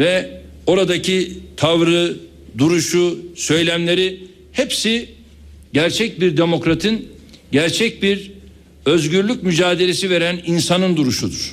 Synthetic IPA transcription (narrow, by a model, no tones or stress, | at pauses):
vɛ | o̞ɾad̪acʰit̪ʰavɾɯ | d̪uɾuʃusø̞jlʲæmlʲe̞ɾi | hepsi | ɟæɾt͡ʃʰɛc̚biɾd̪e̞mo̞kɾat̪ʰɯn | ɟæɾt͡ʃʰɛc̚biɾ | ø̞zɟyɾlʲycmyd͡ʒaːd̪e̞lʲe̞sive̞ɾæninsanɯnd̪uɾuʃud̪uɾ̥